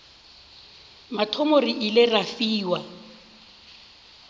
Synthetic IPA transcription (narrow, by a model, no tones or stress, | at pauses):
matʰɔmoriʔilɪrafiːwa